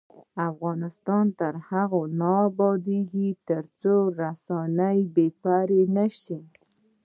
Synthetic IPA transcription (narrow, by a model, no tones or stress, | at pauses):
afɣɑnɪst̪ɑnt̪əɾhaɣonɑbɑd̪eɡit̪əɾt͡soɾasɑnəjbefaɾenaʃi